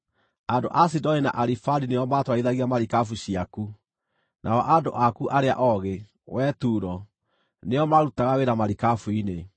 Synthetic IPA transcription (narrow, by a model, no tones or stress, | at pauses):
ado̰ʔasidɔnina̰ʔaɾifaɾineɔmatwaiðaɣiamaɾikafuɕiaku | nʔa̰ɔʔandoʔakuʔaɾea̰ʔɔɣe | wɛtuːɾɔ | neɔmaɾutaɣaweɾamaɾikafuine